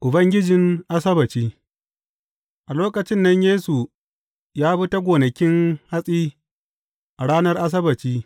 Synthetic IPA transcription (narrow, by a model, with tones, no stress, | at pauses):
ʔʊ˨bɐ˦ŋɡʲɪ˦d͡ʒɪ˨ŋʔa˦sɐ˦bɐ˨t͡ʃiː˦ | ʔa˨loː˦kɐ˨t͡ʃɪ˦nːɐ˦ɲjeː˦su˨ | jaː˦bɪ˦ta˦ɡʷoː˨nɐ˨kʲɪ˦ŋha˦sʼiː˦ | ʔa˨ɽaː˦nɐ˦rʔa˦s̬ɐ˦bɐ˨t͡ʃiː˦